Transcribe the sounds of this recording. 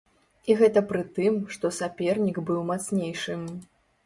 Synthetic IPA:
iɣɛt̪ɐpɾɨt̪ɨmʂt̪ɔsapʲɛrnʲiɡbɨwmat̪snʲejʂɨm

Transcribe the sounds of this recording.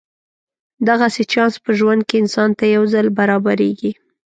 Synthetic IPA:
d̪aɣaset͡ʃɑnspəʒwand̪̚keɪnsɑnt̪ajawzalbaɾɑbaɾeɡi

